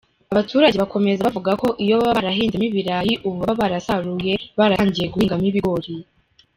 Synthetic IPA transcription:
aβatʰuːɾaɟe̞βako̞me̞zaβavuɡako̞ʔijo̞βaβaɾaɦiːnzemiβiɾajiʔuβuβaβaɾasaɾuje̞βaɾaɲɟije̞ɡuhiːŋɡamiβiɡoɾi

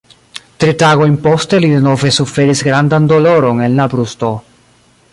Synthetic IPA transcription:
tɾitaɡo̞jnpo̞ste̞lide̞no̞ve̞sufe̞ɾisɡɾandando̞lo̞ɾo̞ne̞nlabɾusto̞

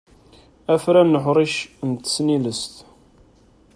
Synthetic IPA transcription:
æfɾænːəħɾˤiʃnt̪ə̥sniləst̪

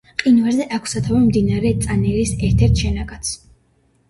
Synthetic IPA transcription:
qʼinvaɾzɛʔakʷʰsat̪ʰavɛmd̪inaɾɛt̪sʼanɛɾisɛɾt̪ʰɛɾt̪ʰʃɛnaɡat̪sʰ

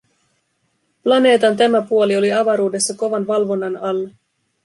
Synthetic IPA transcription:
plɑne̞ːt̪ɑnt̪æmæpuolio̞liɑʋɑɾuːde̞sːɑko̞ʋɑnʋɑlʋo̞nːɑnɑlːe

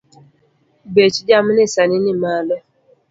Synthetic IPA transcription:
bet͡ʃid͡ʒaminɪsaninimalɛ

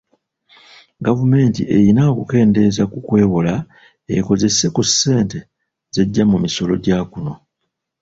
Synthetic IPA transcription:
ɡavume̞ːntḭe̞jinaokuke̞ːnde̞zakukwe̞ːwola | e̞ko̞ze̞sːe̞kusːe̞ːnte̞ | z̥e̞ɟːamumiso̞lo̞ɟaːkuno̞

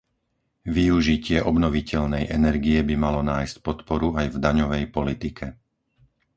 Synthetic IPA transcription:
ʋiuʒicɪɛʔɔbnɔʋicɛʎnɛjʔɛnɛɾɡijɛbimalɔnaːjscpɔt̪pɔɾuajvd̪aɲɔʋɛjpɔlit̪ikʰɛ

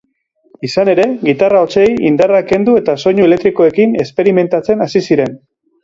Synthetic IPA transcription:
isane̞ɾe̞ɣit̪arao̞t͡se̞jind̪arake̞nd̪ue̞t̪aso̞ɲue̞let̪ɾiko̞e̞kine̞spe̞ɾime̞nt̪at͡se̞nasisiɾe̞n

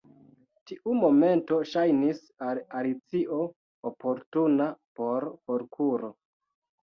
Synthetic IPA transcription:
tiʔumo̞me̞nto̞ʃajnis | alalit͡siʔo̞ | opo̞ɾtunapo̞ɾkoɾkʰuɾo̞

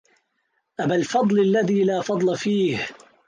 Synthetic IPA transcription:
ʔabalfɑd̪ˤlalːaðiːlaːfɑd̪ˤlɑfiːh

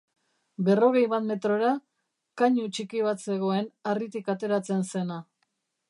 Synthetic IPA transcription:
be̞ro̞ɣ̞e̞jβat̪me̞t̪ɾo̞ɾa | kaɲut͡ʃikiβ̞at̪se̞ɣ̞o̞e̞narit̪ikat̪e̞ɾat͡se̞nse̞na

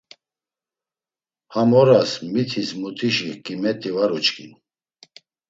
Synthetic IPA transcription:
hamɔɾasmit̪ʰismut̪ʰiʃikʼimɛt̪ʼivaɾut͡ʃkʰʼin

